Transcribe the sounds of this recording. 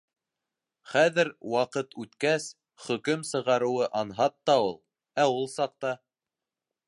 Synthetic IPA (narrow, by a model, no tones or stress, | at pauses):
χæðɘɾwɑqɤt̪ʰʉt̪kæs | χɵ̆kɘmsɤ̆ʁɑɾɤ̆wɤʔɑnɦɑt̪ːɑulˠ | æulˠsɑq̚t̪ɑ